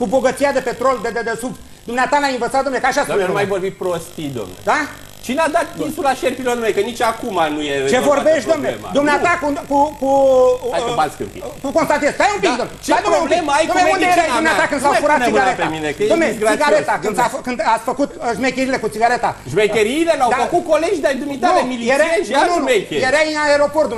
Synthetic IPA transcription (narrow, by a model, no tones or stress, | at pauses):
kubo̞ɡət̪sijad̪e̞pe̞t̪ɾo̞ld̪ed̪ed̪esub | d̪umneat̪amaiɱvət̪sat̪d̪omnekaʃasenumajvorbit̪̚pɾost̪id̪o̰mned̪a | t͡ʃinad̪at̪kʲinsulaʃeɾpilonumejkənit͡ʃakumanujet͡ʃevo̞rbeʃt̪d̪omneema̰d̪omneaakukukuajmaskɨɾpḭkukonst̪at̪esajumpik̚d̪omt͡ʃeaeumbleməajnumũned̪omneat̪akɨnd̪safuɾat̪esimɡaɾetp̪eaminek̪omnesɡɾaiɡaɾet̪akɨnsakɨnd̪asʲfəkut̪ʒmekʲeɾile̞kut̪siɡaɾe̞t̪aʒmejkʲeɾileɾawd̪afəkut̪̚koleʒid̪eaid̪umit̪aɾemilieɾeeʃaunmejkʲejeɾajɨnaeɾoport̪